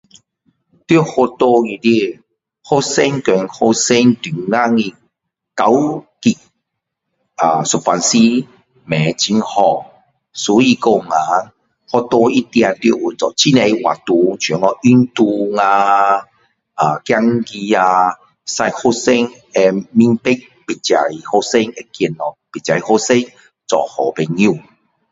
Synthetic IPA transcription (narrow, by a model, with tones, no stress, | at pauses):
t̪wo˦˧ho˧t̪o˧ŋĩ˧˨di˧ | ho˦se˦ŋke˨˦ŋho˧sɛ˦ŋd̪i˨ŋa˦ŋĩ˧ | ka˨˦wki˨ | a˨su˨pa˧nsi˦ | mɛ̃˨˦t͡ɕi˧˦nhɔ˧˨ | sɔ˨˦i˧ko˧˨ŋã˨˦ | hɔ˦t̪ɔ˧i˦t̪j̃ã˨˧t̪jo˧˨u˨t͡sɔ˨t͡ɕi˦ne˧wa̰˨t̪u˧t͡ɕʰɔ˨˦ŋɔ˧˦ʔi˦nt̪u˧ŋã˧ | a˨kja˦ŋki˧a˧ | sa˧jho˦se˦ŋ | e˧mi˦npe˦k̚ | pi˨˩t͡ɕa˨i˨˧ho˦se˦ŋe˧kji˧˨nɔ˨pe˨t͡ɕa˨i˨ho˦se˦ŋ | t͡sɔ̰˨hɔ˨be˧ɲjũ˥˧˨